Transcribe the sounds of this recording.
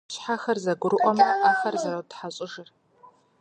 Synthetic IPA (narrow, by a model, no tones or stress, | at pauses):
ɕħaxɐrzɐɡʷʊɾɨʔʷʼɔmɐʔaːxɐrzɐɾɐwtħaɕʼɪʒɨr